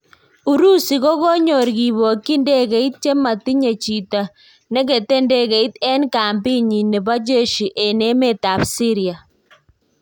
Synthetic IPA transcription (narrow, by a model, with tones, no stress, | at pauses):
u˨ɾu˦si˨ɣo˦ɣɔ˦ɲɔ˨ɾɡi˨βo˨kːi˦nde˦ɣɛ˨i˦t̪̚t͡ʃe˦ma˨ti˦ɲe˨t͡ʃi˨ta˨ | nɛ˦ɣe˨te˦nde˦ɣɛ˨i˦t̪ɛ˦nkaː˨mbi˦ɲi˨nɛ˨βa˦d͡ʒe˦˨ʃi˨ʔɛ˨ne˦me˦ta˨bsi˦ɾia˨